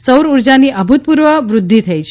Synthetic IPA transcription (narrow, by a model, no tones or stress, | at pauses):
səwɾuɾd͡ʒaniəbʱut̪̚puɾʋəʋɾʊd̪ʱːit̪ʰəjt͡ʃʰ